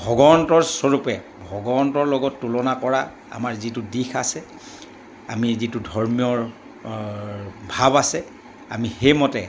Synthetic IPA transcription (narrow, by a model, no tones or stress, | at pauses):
bʱɔɡɔɔntɔɹsoɹupɛ | bʱɔɡɔɔntɔɹlɔɡɔtːulɔnakɔɹa | a̰maɹzitudixasɛ | a̰mizitudʱɔɹmiɔɹ | bʱabasɛ | a̰mixejmɔtɛ